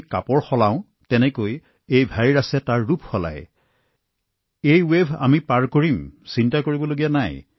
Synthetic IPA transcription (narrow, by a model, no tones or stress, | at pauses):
kapɔɹxɔlãʊ̃ | tɛnɛkoj | ejbʱaɹiɹasɛtaɹːupxɔla̰j | ejwebʱa̰mipaɹkoɹimsintakoɹibɔloɡijanaj